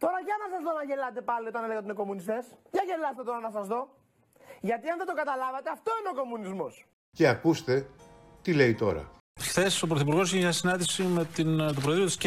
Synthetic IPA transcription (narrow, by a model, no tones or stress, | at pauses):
t̪o̞ɾɐʝɐnɐsɐzðo̞nɐʝe̞lɐt̪e̞pɐlio̞t̪ɐneleɣɐt̪ine̞komunist̪e̞sʝɐʝe̞lɐst̪et̪o̞ɾɐnɐsɐzðo̞ | ʝɐt̪iɐnðet̪o̞kɐt̪ɐlɐvɐt̪e̞ɐft̪o̞ineo̞ko̞munizmo̞s | ce̞ɐkust̪e̞t̪ile̞it̪o̞̰ɾɐ̰ | xθe̞so̞pɾoθipuɾɣo̞s̬içeɲɐsinɐnd̪isime̞t̪int̪opɾeðɾiot̪isc